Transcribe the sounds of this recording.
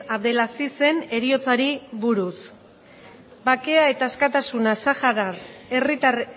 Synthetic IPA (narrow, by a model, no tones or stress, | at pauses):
aðe̞lasise̞ne̞ɾio̞t͡saɾiβuɾus | bake̞ae̞t̪aeskat̪asunasaxaɾare̞rit̪ar